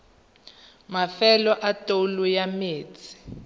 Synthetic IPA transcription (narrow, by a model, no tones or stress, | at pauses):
mafɛlɔʔatʼolujameːt͡sʰi̥